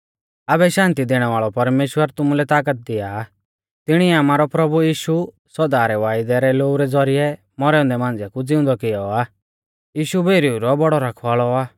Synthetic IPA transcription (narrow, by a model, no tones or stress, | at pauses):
abɛʃãːnt̪id̪eːɽ̃ɛʋaːɭɔpɐɾmeːʃwəɾt̪ʊmulɛt̪aːk̬ət̪̚d̪ɪja | t̪ɪɽ̃iɛaːmaːɾɔpɾɐbujiːʃu | sɔd̪aːɾɛʋaːɪd̪ɛɾɛloːuɾɛd͡zɔɾɪjɛ | mɔɾɛʊ̃nd̪ɛmãːnd͡zɛkud͡zɪ̃ʊ̃nd̪ɔkɪjɔaː | jiːʃubʱeːɾiuɾɔbɔɽɔɾakʰʋaːɭɔaː